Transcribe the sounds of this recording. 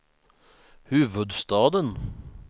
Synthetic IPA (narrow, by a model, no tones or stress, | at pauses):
hʉːʋəd̪st̪ɑːd̪ən